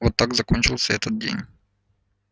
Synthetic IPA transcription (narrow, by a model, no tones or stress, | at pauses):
vot̪ːaɡzɐkonʲt͡ɕɪlˠsʲəɛt̪ət̪̚dʲḛnʲ